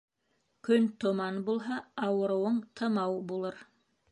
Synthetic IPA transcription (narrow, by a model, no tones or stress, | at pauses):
kɵnt̪ŏmɑnbulˠɦɑɑwɤ̆ɾɤ̆wɤɴt̪ʰɤ̆mɑwbulˠɤɾ